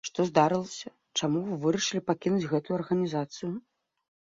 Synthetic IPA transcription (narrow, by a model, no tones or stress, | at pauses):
ʂt̪ɔzd̪aɾɨlˠɐsʲɐ | t͡ʂamuɨvɨɾɐʂɨlʲipakʲinud͡zʲɣɛt̪ujuɐrɣɐnʲizat̪sɨju